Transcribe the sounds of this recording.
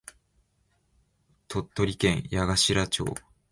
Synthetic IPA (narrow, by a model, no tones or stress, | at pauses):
t̪o̞t̪ːo̞ɾʲikẽ̞ɰ̃jaɡaɕiɾat͡ɕo̞̰ː